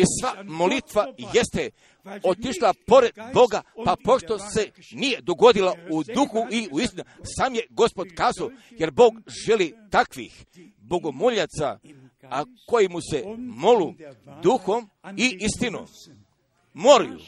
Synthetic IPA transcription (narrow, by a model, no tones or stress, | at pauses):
isʋamo̞lit̪ʋaje̞st̪e | ot̪iʃlapo̞ɾe̞d̪bo̞ɡapapo̞ʃt̪o̞se̞ | nije̞d̪o̞ɡo̞d̪ilaud̪uxuʔiuist̪inusaːmje̞ɡo̞spo̞d̪kaːzaoje̞ɾbo̞ːɡʒe̞lit̪akʋḭx | bo̞ɡo̞moʎat̪sa̰ | ako̞jimuse̞molud̪uxo̞m | iist̪ino̰mː | oɾjṵ